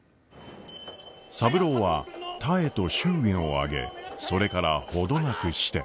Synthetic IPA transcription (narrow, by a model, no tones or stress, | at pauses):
sabɯ̟ɾo̞ːβat̪ʰae̞t̪o̞ɕɨːɡẽɰ̃o̞a̰ɡe̞̰so̞ɾe̞kaɾaho̞d̪o̞nakɯ̟ɕi̥t̪e̞̰